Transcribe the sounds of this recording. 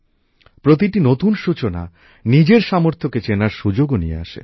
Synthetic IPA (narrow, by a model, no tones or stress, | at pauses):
pɾot̪̬iʈinot̪unʃut͡ɕona̰ | nid͡ʑeɾʃɔmoɾt̪ʰoket͡ɕenaɾʃud͡ʑoɡonijḛa̰ʃḛ